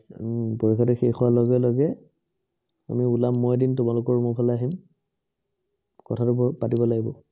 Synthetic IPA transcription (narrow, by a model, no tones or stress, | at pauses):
poɹikʰɔtɛxexʰuwalɔɡɛlɔɡɛ | a̰miulamːɔjdintʊmalʊkɔɹumɔpʰalaɦim | kɔtʰatʊpatibɔlaɡibɔ